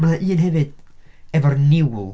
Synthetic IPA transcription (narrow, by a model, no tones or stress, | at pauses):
maaʔɨːnɦɛvɨd̥ | ɛvɔrnɪwlˠ